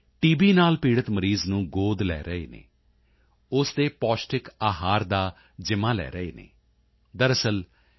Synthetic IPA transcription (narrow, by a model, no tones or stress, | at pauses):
ʈiːbiːnaːlpiːɽət̪məɾiːznũːɡoːd̪lɛ̰ːɾəḛːnḛː | ʊsd̪eːpɔːsʈɪkaːɦaːɾd̪aː | d͡ʒɪmaːlɛ̰ːɾəḛːnḛː | d̪əɾəsəl